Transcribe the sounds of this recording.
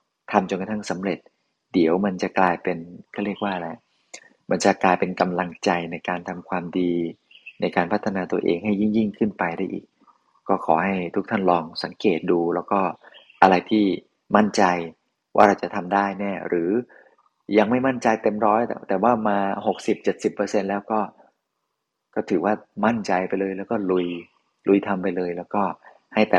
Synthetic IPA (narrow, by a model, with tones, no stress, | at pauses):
t̪ʰa˧mt͡ɕo˧nka˧t̪ʰa˥˩ŋsa˩˦mɾe˨˩t̪̚ | di˩˦əwma˧nt͡ɕa˨˩klaː˧jpe˧nkʰɾi˥˩ək̚waː˥˩lɛ˦˥ʔ | ma˧nt͡ɕa˨˩klaː˧jpe˧nka˧mla˧ŋt͡ɕa˧jna˧jkaː˧nt̪ʰa˧mkʰwaː˧mdiː˧ | na˧jkaː˧npʰa˦˥t̪ʰːa˧naː˧t̪u˧ɐʔḛː˧ŋɦa˥˩jːi˥˩ŋji˥˩ŋkʰɯ˥˩npa˧jda˥˩jʔḭː˨˩k̚ | kːɔː˥˩kʰɔː˩˦ha˥˩jt̪ʰu˦˥k̚t̪ʰa˥˩nlɔː˧ŋsa˨˩˦ŋkeː˨˩t̪̚duː˧lɛː˦˥wkɔː˥˩ | ʔa˧ɾa˧jt̪ʰiː˥˩ | ma˥˩nt͡ɕa˧j | wa̰ː˥˩ɾa˧wt͡ɕa˨˩t̪ʰa˧mdaː˥˩jnɛː˥˩ɾɯː˩˦ | ja˧ŋma˥˩jma˥˩nt͡ɕa˧jt̪e˧mɾɔː˦˥j̪̰t̪ɛː˨˩waː˥˩maː˧ɦo˨˩k̚si˨˩p̚t͡ɕe˨˩t̪̚si˨˩pːɤ˧se˧nlɛː˦˥wkɔː˥˩ | kɔː˥˩t̪ʰɯː˩˦waː˥˩ma˥˩nt͡ɕa˧jpa˧jlɤː˧jlɛː˦˥wkɔː˥˩lu˧j | lu˧jt̪ʰa˧mpa˧jlɤː˧jlɛː˦˥wkɔː˥˩ | ha˥˩jt̪ɛː˨˩